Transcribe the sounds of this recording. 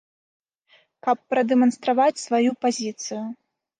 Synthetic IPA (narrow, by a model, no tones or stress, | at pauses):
kɐpːɾɐd̪ɛmɐnst̪ɾavat͡sʲsvajupazʲit̪sɨju